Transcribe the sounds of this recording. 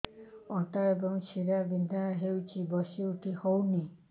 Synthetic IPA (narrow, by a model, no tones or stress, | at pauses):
ɔʈ̪aɾebɔŋsiɾabind̪ʱaɦewt͡ʃʰibɔsiuʈʰihowni